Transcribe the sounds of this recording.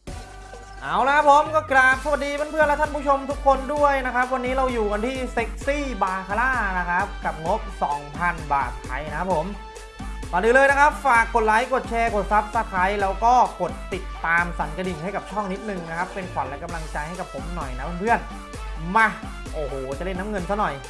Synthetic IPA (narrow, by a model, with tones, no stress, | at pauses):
ʔaː˧˩wla˧˥kʰa˦˥pʰːo˨˦mkɔː˥˩klaː˨˩p̚ka˧diː˧pʰa˥˨npʰɯ˥˩nlɛ˦˥t̪ʰnpʰu˥˩t͡ɕʰo˧mt̪ʰu˦˥kʰːo˧ndu˥˩əjna˦˥kʰɾa˦˥p̚wa˧nːiː˦˥ɾa˧wjuː˨˩ka˧nt̪ʰiː˥˩se˦˥k̚siː˥˩baː˨˩kʰa˧laː˥˩na˦˥kʰa˦˥p̚ka˨˩p̚ŋo˦˥p̚sɔː˩˦ŋpʰa˧nba̰ː˨˩t̪̚pʰa˧jna˦kʰa˦˥pʰːo˨˩˦m | maː˨˩dɯː˧lɤː˧jna˦˥kʰa˦˥p̚faː˨˩kːo˨˩t̪̚la˨˦jko˨˩t̪̚t͡ɕʰɛː˧ko˨˩t̪̚sa˦˥p̚sa˧˩k̪ʰa˨˦˥jlɛː˦˥wkɔː˥˩ko˨˩t̪̚ːi˨˩t̪ːaː˧msa˩˦nka˧di˨˩nha˥˩jka˨˩p̚t͡ɕʰɔ˥˩ŋni˦˥t̪̚nɯ˨˩ŋna˦˥kʰa˦˥pːe˧nkʰa˨˩˦nlɛ˦˥ka˧mla˧ŋt͡ɕa˧jha˥˩jka˨˩pʰːo˨˩˦mnɔ˨˩jna˦˥pʰa˧˥˩npʰɯ˥˩ən | ma˧˩ | ʔoː˨˩hoː˨˩t͡ɕa˨˩le˥˩nːaː˦˥ŋɤ˧nsa˦˥nɔ˨˩j